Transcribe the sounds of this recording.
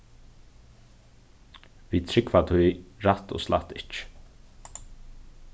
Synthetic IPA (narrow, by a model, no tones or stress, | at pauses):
viːt̪ʰɾɪkvat̪ʰujɹat̪o̰sla̰t̪ːɪt͡ʃ